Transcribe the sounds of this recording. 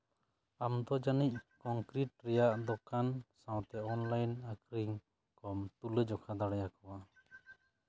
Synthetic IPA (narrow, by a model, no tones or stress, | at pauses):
amd̪ɔd͡ʒanic̚kɔŋkɾiʈ̚ɾɛjaʔd̪ɔkansãw̃t̪ɛɔnlajnakɾiŋ | kɔmt̪uləd͡ʒɔkʰad̪aɽajakɔwa